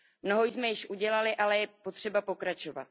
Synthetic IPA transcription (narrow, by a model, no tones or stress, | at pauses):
mno̞ɦojzmɛjɪʃʔuɟɛlalɪʔalɛjɛpo̞t̪r̝̥ɛbapo̞kɾat͡ʃo̞va̰t̪̚